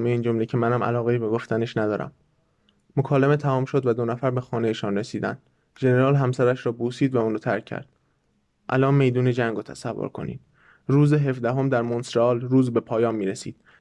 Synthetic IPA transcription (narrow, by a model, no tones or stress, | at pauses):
meiːnd͡ʒo̞mle̞cʰe̞mænæmʔæ̰lɒːɣeibe̞ɡoft̪æne̞ʃnæd̪ɒːɾæ̰mː | okʰɒːleme̞t̪ʰæmɒːmʃo̞d̪væd̪o̞næfæɾbe̞xɒːne̞jeʃɒnresiːd̪ænd̪̥ | ʒe̞ne̞ɾɒːlɦæmsæɾæʃɾɒːbuːsiːd̪væunɾɔːt̪ʰæ̰ɾcʰːæ̰ɾd̪̥ | ʔælʔɒːnme̞jd̪uːne̞d͡ʒæŋɡoːt̪ʰæsævːo̰ɾkʰo̞̰nḭːd̪̥ | ɾuːzeɦe̞fd̪æɦo̞md̪æɾmonsɾɒːlɾuːzbe̞pʰɒːjɒːnmːiːɾesḭːd̪̥̚